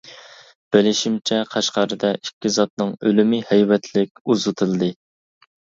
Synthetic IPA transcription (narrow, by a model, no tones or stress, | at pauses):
b̥ɪlɪʃimt͡ʃʰɛqʰɑʃqɑɾɨd̪ɛʔikʲːizɑt̪̚nɨŋølymɪhɛjwɛt̪ʰlɪkʲuzɨt̪ʰɨlˠɨd̪ɨ